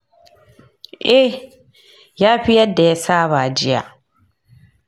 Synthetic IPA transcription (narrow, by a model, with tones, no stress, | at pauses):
ʔɛ˦ | ja˦ɸi˦jɛ˦dɛː˨˦saː˦βaː˨d͡ʒi˦a̰˨